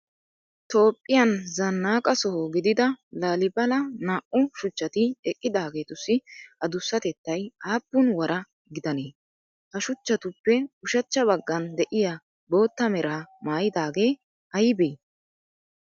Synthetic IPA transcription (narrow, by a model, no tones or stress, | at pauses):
t̪o̞ːpʼːɪjɐnzɐnːaːkʼɐsɔɦoɡɪd̪ɪd̪ɐlaːlɪbɐlɐnaːʔʊʃʊt͡ʃːɐt̪ɪɛkʼːɪd̪aːɡe̞ːt̪ʊsːɪɐd̪ʊsːɐt̪ɛt̪ːɐjaːbːʊnwɐɾɐ | ɡɪd̪ɐneː | hɐʃʊt͡ʃːɐt̪ʊpːɛʊʃɐt͡ʃːɐbɐɡːɐnd̪ɛʔɪja | bo̞ːt̪ːɐmɛɾaːmaːjɪd̪aːɡe̞ː | ɐjbeː